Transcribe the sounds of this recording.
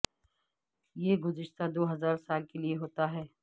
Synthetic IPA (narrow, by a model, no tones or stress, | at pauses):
jeːɡʊzɪʃt̪ad̪oːɦɐzaːɾsaːlkelieɦoːt̪aɦɛː